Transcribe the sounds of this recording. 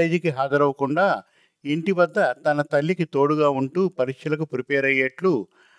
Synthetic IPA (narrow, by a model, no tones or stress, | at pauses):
eːd͡ʒikiɦaːd̪ɐɾɐʋɐkuɳɖaː | eɳʈiʋɐd̪ːɐt̪ɐnɐt̪ɐlːikit̪o̞ːɽuɡaːuɳʈuːpɐɾikʂɐlɐkupɾipɛːɾɐjːɐʈlu